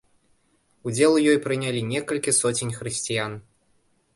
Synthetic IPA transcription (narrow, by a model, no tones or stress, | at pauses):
ud͡zʲɛlˠujɔjpɾɨnʲalʲinʲɛkɐlʲkʲisɔt͡sʲinʲxɾɨsʲt͡sʲijan